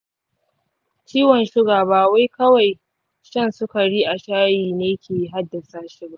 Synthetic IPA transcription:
t͡ʃiː˦wɔ˨nʃɪ˦ɡaː˨baː˨wa˦jkɐ˦wa˨j | ʃɐ˦˨nsʊ˦ka˨ɽiː˦ʔa˨ʃaː˦jiː˨neː˦kʲeː˨˦ɦa˦dːa˨saː˦ʃɪ˦ɡa˨ʔ

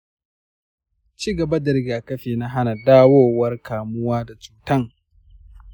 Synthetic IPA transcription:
t͡ʃiː˦˨ɡɐ˨ba˦dɐ˨ɾɪ˦ɡaː˨kɐ˦ɸeː˨na˦ɦa˦na˨daː˦woː˦˨wɐ˦rkʰaː˨mʊ˦waː˦da˨t͡ʃuː˦tɐ˦ŋ

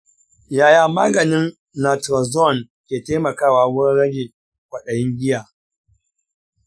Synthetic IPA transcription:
jaː˨jaː˨maː˦ɡɐ˨nɪ˦nː | a˨tɾa˨zɔ˦˨n | kʲeː˨teː˦mɐ˨kaː˦˨waː˨wʊ˦ɾɪ˦ɾɐ˦ɡʲe˨ | kʷɐ˨ɗɐ˨jɪ˦ŋɡʲɪ˦jaː˨

